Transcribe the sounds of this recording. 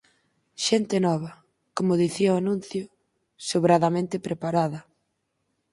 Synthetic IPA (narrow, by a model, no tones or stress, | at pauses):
ʃent̪ɪnɔβ̞ɐ | komʊðiθiɐʊanũn̟θjʊ | soβɾaðamẽnt̪ɪpɾepaɾaðɐ